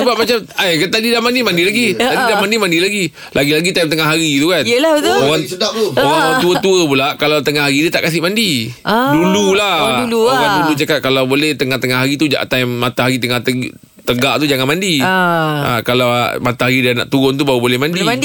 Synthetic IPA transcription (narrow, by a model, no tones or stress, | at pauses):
səbap̚mat͡ʃamajkat̪adidamandimandilaɡit̪adidamandimãndilaɡi | lʔaɡilaɡit̪ajmt̪əŋaɦaɾit̪ukanəlat̪uoɣaŋət̪aoɣaŋt̪uət̪uəpulaʔkalawt̪əŋahɦaɾidət̪a̰ʔkas̬ɪʔmandidululahlukandulut͡ʃakat̪̚kalawbolɛht̪əŋaht̪əŋaɦaɾit̪ud͡ʒa̰ʔt̪ajmːat̪aɦaɾit̪əŋaht̪ə | t̪əɡaʔt̪ud͡ʒaŋanmandi | a̰kalawa̰mat̪aɦaɾidiana̰ʔt̪uɣʊnt̪̬ubaubolɛhmãndi